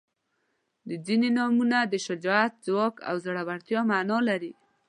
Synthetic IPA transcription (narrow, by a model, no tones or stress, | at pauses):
d̪əd͡zinenɑmunad̪əʃɪd͡ʒɔat̪̚zwɑka̰wzaɽawaɽt̪jɑmanɑlaɾi